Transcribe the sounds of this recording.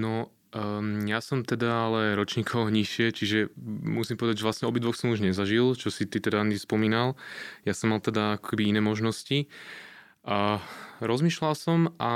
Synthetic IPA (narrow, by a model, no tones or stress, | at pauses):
nɔ | jasɔmt̪ɛd̪aalɛɾɔt͡ʃɲiːkʰɔɲiʃɪɛt͡ʃiʒɛmusimpɔʋɛd̪aɟʒɛʋlasɲɛɔbid̪ʋɔxsɔmuʒɲɛzaʒilt͡ʃɔsit̪it̪ɛd̪anispɔmiːnaljasɔmːalt̪ɛd̪aakɔ̥kɛbiinɛːmɔʒnɔsci | ʔaɾɔzmiːʃlalsɔmʔa